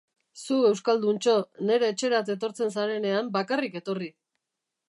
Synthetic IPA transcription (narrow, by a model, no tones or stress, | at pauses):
sue̞wskald̪unt͡ʃo̞ne̞ɾe̞ːt͡ʃe̞ɾat̪̬e̞t̪̬o̞ɾt͡se̞nsaɾe̞ne̞ambakarike̞t̪o̞ri